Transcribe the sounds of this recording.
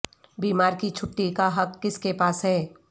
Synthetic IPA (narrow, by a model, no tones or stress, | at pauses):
biːmaːɾkit͡ʃʰʊʈːikaɦɐkːɪskepaːsɦɛː